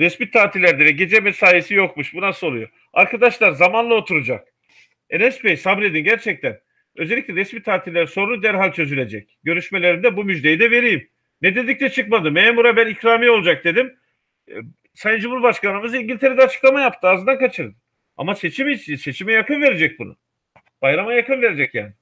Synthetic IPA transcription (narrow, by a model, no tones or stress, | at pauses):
ɾɛsmit̪ʰaːt̪ʰilʲæɾd̪edɛɟe̞d͡ʒɛmesaːjesijo̞kmuʃbunasɯolˠujo | aɾkʰad̪aʃlˠaɾzamanlˠao̞t̪ʰuɾud͡ʒak̚ | enɛspejsabɾe̞d̪inɟæɾt͡ʃʰɛc̚t̪ʰæn | øzelʲːicʲlʲɛɾɛsmit̪ʰaːt̪ʰillʲæɾso̞ɾunud̪æɾɦalʲt͡ʃʰø̞zylʲe̞d͡ʒɛc̚ɟø̞ɾyʃme̞lʲe̞ɾind̪ɛbumyd͡ʒd̪ejid̪ɛve̞ɾijim | nɛd̪e̞d̪ic̚t̪ʰɛt͡ʃʰɯkmad̪ɯmeːmuɾabænikʰɾaːmijo̞lˠud͡ʒak̚d̪e̞d̪im | sajɯnd͡ʒumuɾbaʃkanɯmɯziɲɟilʲt̪ʰe̞ɾed̪ɛat͡ʃʰɯ̥klˠamajapt̪ʰɯazɯnd̪ankʰat͡ʃʰɯɾd̪ɯ | a̰mase̞t͡ʃʰimit͡ʃse̞t͡ʃʰimɛjakɯnve̞ɾed͡ʒɛc̚bunʊ̰ | b̥ajɾamajakʰɯnve̞ɾed͡ʒɛcja̰ːnɪ